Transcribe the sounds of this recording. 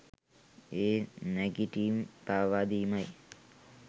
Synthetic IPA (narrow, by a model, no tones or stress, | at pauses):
eːnɛɡiʈiːmpaːʋaːd̪iːmaj